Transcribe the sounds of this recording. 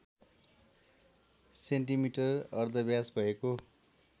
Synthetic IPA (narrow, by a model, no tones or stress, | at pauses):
seɳʈimiʈʌrʌrd̪ʱʌbjasbʱʌeko